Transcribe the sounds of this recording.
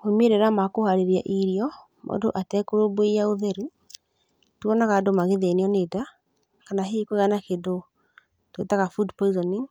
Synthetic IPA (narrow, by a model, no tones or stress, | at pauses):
homeɾeɾamakohaɾeɾia̰ʔiɾiɔ | mo̰do̰ʔatɛkoɾoboeaoðɛɾu | twɔnaɣadomaɣeðeneɔneta | kanaɦekoɣanakedo | twḛtaɣafudpɔizɔni